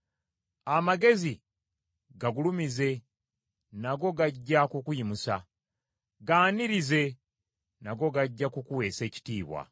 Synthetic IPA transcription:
amaɡe̞zi | ɡaɡulumize̞ | naɡo̞ɡaɟːakukujimusa | ɡaːniɾize̞ | naɡo̞ɡaɟːakukuwe̞ːse̞ːci̥tiːβwa̰

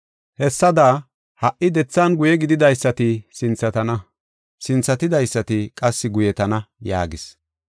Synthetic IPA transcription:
hɛsːɐd̪a | hɐʔʔɪd̪ɛt͡sːɐnɡʊjɛɡɪd̪ɪd̪ɐjsːɐt̪ɪsɪnt͡sːɐt̪ɐnɐ | sɪnt͡sːɐt̪ɪd̪ɐjsːɐt̪ɪkʼɐsːɪɡʊjɛt̪ɐnɐja̰ːɡɪs

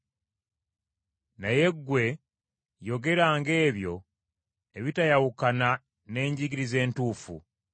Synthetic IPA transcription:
naje̞ɡːwe̞ | jo̞ɡe̞ɾaŋɡe̞ːβjo̞ | eβitajawukana | ne̞ːɲɟiɡiɾize̞ːntuːfṵ

